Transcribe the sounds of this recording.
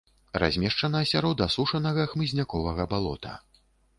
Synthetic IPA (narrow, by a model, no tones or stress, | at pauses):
ra̰zʲmʲɛʂt͡ʂɐnɐɐsʲaɾɔd̪ɐsuʂɐnɐɣɐxmɨzʲnʲakɔvɐɣɐbalˠɔ̰t̪ɐ̰